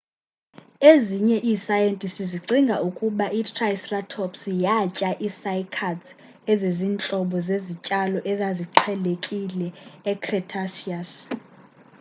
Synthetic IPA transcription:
eziɲɛʔiːsajentʼistiziǀiŋɡʱaukʼuɓaʔitʰʼrajsratʰɔpsjat͡ʃʼaʔisaikʰat | eziziːnt͡ɬʼɔɓɔzezit͡ʃʼalɔʔɛzaziǃʰɛlekʼilɛːkʰrɛtʰasias

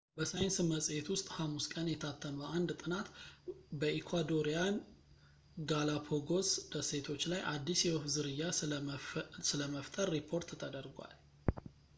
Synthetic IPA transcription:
bəsajɪnsɨməsʼjet̪wʊst̪ʼhamːuskʼənjɛt̪ʰat̪ʰːəməʔand̪t̪ʼɨnat̪bəʔikʰwad̪o̞ɾijan | ɡalapʰoɡo̞sd̪̥əse̞t̪ʰo̞t͡ʃːlajʔad̪ːisjɛwfzɨɾɨjːa | sɨləməft̪ʼəɾːipʰːo̞ɾt̪t̪ʰəd̪əɾɡʷwa̰l

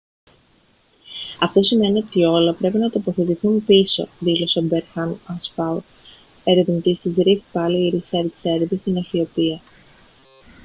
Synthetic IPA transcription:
ɐft̪o̞sime̞nio̞t̪io̞lɐpɾe̞pinɐt̪opo̞θe̞t̪iθumpiso̞̰ðilo̞sobeɾxɐnɐnspɐu | e̞ɾevnt̪ist̪izɾiθi̥pɐliiɾiseɾt̪i̥se̞ɾvist̪inɐçiopiɐ

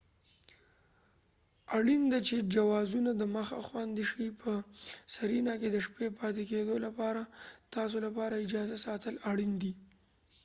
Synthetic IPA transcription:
aɽind̪at͡ʃed͡ʒawɑzunad̪əməxa̰xwɑnd̪iʃipʰəsaɾinaked̪əʃpepɑt̪eked̪olapɑɾat̪ɑs̬olapɑɾaɪd͡ʒɑzasɑt̪əlaɽind̪i

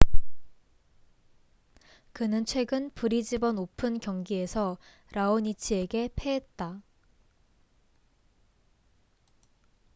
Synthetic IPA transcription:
kɯnɯnt͡ɕʰwe̞ɡɯnpuɾid͡ʑibʌnopʰɯnkjʌŋɡie̞sʰʌ | ɾaoɲit͡ɕʰie̞ɡe̞pʰe̞et̚t͈a

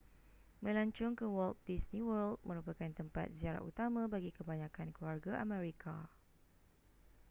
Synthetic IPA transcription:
mə̃laɲt͡ʃʊŋkəwɔlt̪̚disnĩwəld̪̚mə̃ɾupakant̪əmpa̰t̪̚ziaɾa̰ʔṵt̪amãbaɡikəbaɲãkankluarɡaʔamɛ̃ɾikʰa

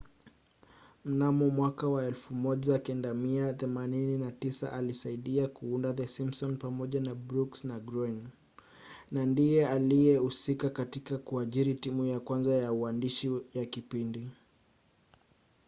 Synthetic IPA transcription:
m̩namɔmwakawaɛlfumɔʄakɛndamiaθɛmanininatisa̰ʔalisaiɗiakuundaðɛsimsɔnpamɔʄanabɾuksnaɡɾin | nandijɛalijɛusikakatikakuaʄiɾitimujakwanzajauandiʃijakipindi

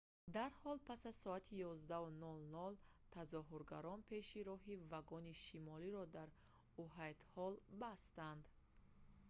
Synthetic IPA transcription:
d̪aɾhɔlpʰasazsɔat̪ʰijɔzd̪aunɔlnɔlt̪ʰazɔɦuɾɡaɾɔnpʰe̞ʃiɾɔɦivaɡɔniʃimɔliɾɔd̪aɾ | uɦajt̪hɔlbast̪and̪

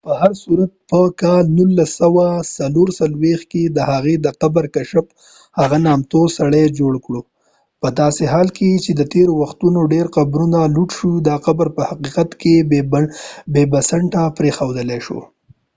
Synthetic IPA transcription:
pəhaɾsuɾat̪̚pəkɑlnulːasawasaloɾsalwexked̪əhaɣed̪əqabaɾkaʃəp | haɣanɑmt̪osaɽed͡ʒoɽkɽo | pəd̪ɑseɦɑlket͡ʃed̪ət̪eɾowaxt̪unoɖeɾqabɾunaluʈʃud̪ɑqabɾpəhaqiqat̪ke | bebasəɳʈapɾexawd̪əleʃo̰

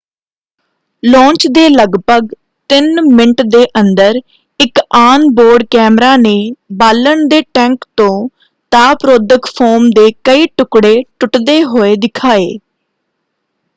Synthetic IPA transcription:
lɔ̃ːɲt͡ʃd̪eːləɡbəɡ | t̪ɪnmɪɳʈd̪eːʔənd̪əɾ | ɪkaːnboːɾɖkɛːmɾaːneːbaːləɳd̪eːʈɛ̃ːŋkt̪õː | t̪aːpɾoːd̪əkpʰoːmd̪eːkəiːʈʊkɽeːʈʊʈd̪eːɦoːeːd̪ɪkʰaːḛː

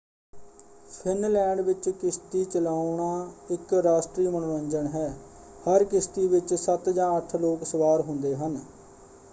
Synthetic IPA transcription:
pʰɪnlɛːɳɖʋɪt͡ʃkɪst̪iːt͡ʃəlaːʊɳaːɪkɾaːsʈɾiːmənoːɾəɲd͡ʒəɳɦɛː | həɾkɪst̪iːʋɪt͡ʃsət̪d͡ʒãːəʈʰloːksəʋaːɾɦʊnd̪eːɦən

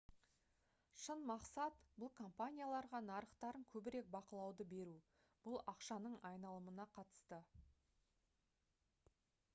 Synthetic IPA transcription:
ʃənmɑqsɑt̪bʊlˠkʰo̞mpanʲijalˠɑɾʁɑnɑɾəqt̪ɑɾəŋkʲʰɵbɪɾe̞k̚bɑqəlˠɑwd̪əbe̞ɾu | b̥ʊlˠɑqʃɑnəɴɑjnɑlˠəmənɑqʰɑt̪ə̥st̪ə

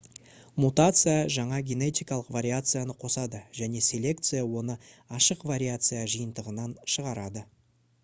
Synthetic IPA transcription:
mut̪at̪sɨjaʒɑɴɑɡʲene̞t̪ʲijkɑlˠəqvaɾʲiat̪sɨjanəqʰo̞sɑd̪əʒæne̞sʲe̞lʲe̞k̚t̪sɨjawo̞nəɑʃəqvaɾʲiat̪sɨjaʒəjənd̪əʁənɑnʃəʁɑɾɑd̪ə

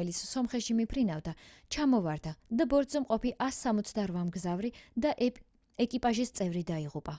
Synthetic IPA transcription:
ɛlit̪sʰsɔmχɛt̪ʃimipʰɾinavd̪at͡ʃʰamɔvaɾd̪ad̪abɔɾd̪zɛmqʼɔpiʔasːamɔt̪sʰd̪aɾvamɡzavɾid̪a | ɛkʼipʼaʒist̪sʼɛvɾid̪aiʁupʼa

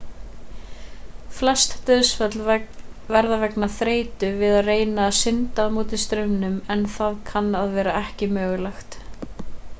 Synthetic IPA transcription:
flɛst̪t̪œðst̪lvɛɾðavɛknaθɾeːjt̪ʏvɪðaðreːjnaːsɪnt̪amuːt̪ɪst̪ɾʏmnʏmɛnθaðkʰanːaðvɛːɾaɛhcɪmœːɣʏlaxt̪

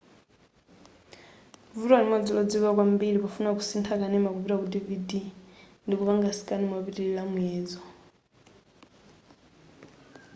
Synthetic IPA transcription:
vuɾɔaɾimad͡zilɔd͡ziβak̬wambiɺipafunak̬usintʰakanɛmakuβiɾakudividi | ndikuβaŋɡasi̥kʼanimaβiɾiilamɛːd͡zɔ

